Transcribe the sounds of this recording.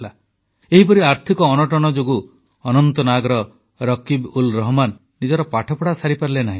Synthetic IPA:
la | eɦipɔɾiaɾt̪ʰikɔːnɔʈɔɽ̃ɔd͡ʒoɡu | ɔnɔnt̪ɔnaɡɔɾɔ | ɾɔkibulɾɔɦɔmanːid͡ʒɔɾɔpaʈʰɔpɔɽasaɾipaɾilenaɦĩ

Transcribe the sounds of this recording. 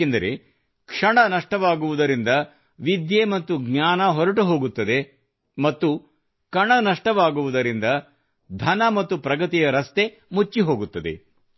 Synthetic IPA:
end̪ɐɾe̞ | kʂɐɳɐnɐʂʈɐʋaːɡuʋud̪ɐɾind̪ɐ | ʋid̪jemɐt̪ːuɡɲaːnɐɦɔɾɐʈuɦo̞ːɡut̪ːɐd̪e̞ | mɐt̪ːu | kɐɳɐnɐʂʈɐʋaːɡuʋud̪ɐɾind̪ɐ | d̪ʱɐnɐmɐt̪ːupɾɐɡɐt̪ijɐɾɐst̪e̞ | mut͡ʃːiɦo̞ːɡut̪ːɐd̪e̞̰

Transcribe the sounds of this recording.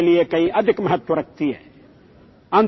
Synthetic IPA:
lijekɐĩʔɐd̪ʱɪkmɐɦɐt̪ːwɐɾɐk̚t̪ijḛ | ɐ̃n

